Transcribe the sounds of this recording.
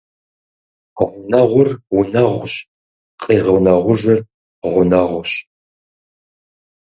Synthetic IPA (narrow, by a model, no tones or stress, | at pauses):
ʁʷʊnɐʁʷʊrwʊnɐʁʷɕ | qiːʁəwnɐʁʷʊʒʷɐr | ʁʷʊnɐʁʷʊɕ